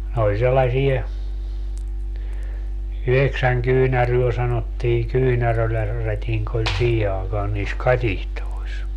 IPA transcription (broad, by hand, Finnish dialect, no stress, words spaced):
ne olʲ selːɑsie yheksæŋ kyːnæryø sɑnotːiː kyːnærølæ rætiŋk olʲ siːhe ɑekɑːn niːs kɑtihtois